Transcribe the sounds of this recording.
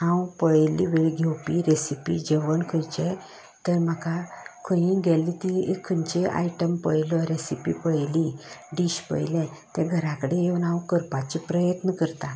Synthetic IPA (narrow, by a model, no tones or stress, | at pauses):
ɦãwpəjliʋeɭɡʱɛwpiɾesipḭd͡ʑeʋəɳkʰəjt͡ɕɛ | t̪əɾm̤əkakʰə̃ɦĩɡʱɛlit̪iekʰːənt͡ɕeʔa̰jʈəmpəjlɔɾesipḭpəjliɖiɕpə̰jlɛ̃t̪ɛɡʱəɾakəɽeeʋnãwkəɾpat͡ɕipɾəjət̪nəkəɾt̪a